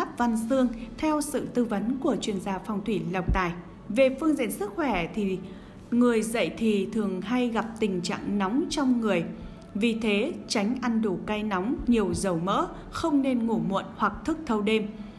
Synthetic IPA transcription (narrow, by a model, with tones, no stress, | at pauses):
a˦˥p̚va˧nsɨ˧əŋt̪ʰɛ˧wsɨ̰˧˨t̪ɨ˧və˨˦nku˧˩ət͡ɕwi˧ənzaː˧fɔ˧wŋ͡mt̪ʰwi˧˩lə˨˩wk͡p̚t̪a̰ː˧˨j | ve˨˩fɨ˧əŋzḭ˧˨ənsɨ˦˥k̚xwɛ˧˩t̪ʰi˨˩ | ŋɨ˨˩əjzə̰˧˨jt̪ʰi˨˩t̪ʰɨ˨˩əŋɦa˧jɣa˨˩p̚t̪ï˨˩ŋ̟t͡ɕa̰ː˧˨ŋna˨˦wŋ͡mt͡ɕɔ˧wŋ͡mŋɨ˨˩əj | vi˨˩t̪ʰe˨˦t͡ɕa˨˦jŋ̟ʔa˧nɗu˧˩ka˧jna˨˦wŋ͡mɲi˨˩əwzə˨˩wmə̰ː˧˥ | xə˧wŋ͡mne˧nŋu˧˩mṵ˧˨ənhwa˨˩k̚t̪ʰɨ˦˥k̚t̪ʰə˧wɗe˧m